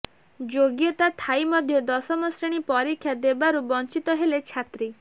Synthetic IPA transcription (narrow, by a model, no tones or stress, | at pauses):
d͡ʒoɡjɔt̪at̪ʰajmɔd̪ʱjɔd̪ɔsɔmɔsɾeɽ̃ipɔɾikʰːjad̪ebaɾubɔnt͡ʃit̪ɔɦelet͡ʃʰat̪ɾi